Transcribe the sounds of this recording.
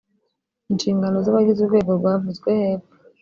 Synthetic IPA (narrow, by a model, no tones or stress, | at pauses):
inʃiːŋɡanozaβaɡiziɡweβoβavuzɡwehepḁ